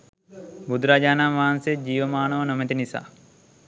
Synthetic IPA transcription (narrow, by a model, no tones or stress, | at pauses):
bud̪ɾaːd͡ʒaːnamʋaɦansed͡ʒiːʋəmaːɳoʋənomet̪inisa̰ː